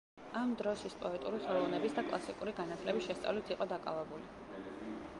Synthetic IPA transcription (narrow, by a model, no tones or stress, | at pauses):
amd̪ɾɔʃit̪sʰpʼɔɛt̪ʼuɾiχɛlˠɔvnɛbisd̪akʼlˠasikʼuɾiɡanat̪ʰlɛbisʃɛst̪sʼa̰vlit̪ʰiqʼɔd̪akʼa̰vɛbuli